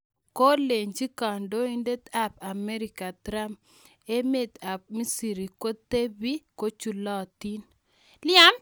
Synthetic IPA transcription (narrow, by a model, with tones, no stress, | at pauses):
ko˦le˨ɲd͡ʒi˦ka˨ndo˦i˦nde˦t̪a˦pa˨mɛ˦ɾi˨ka˨t̪ɾa˦m | e˦me˦t̪a˨p̚mi˦si˨ɾi˨ko˦t̪e˦bi˦ko˦t͡ʃu˨lɔ˦˨t̪i˦n | lɪa˦m